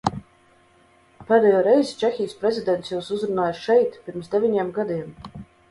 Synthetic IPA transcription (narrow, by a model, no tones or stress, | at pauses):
pɛːd̪ɛjoːɾɛjzʲt͡ʃɛxʲijspɾɛzʲid̪ʲɛnt̪sjuwsuzɾunaːjsʃɛjt̪pʲiɾmsd̪ʲevʲiɲʲeɛmɡad̪iɛm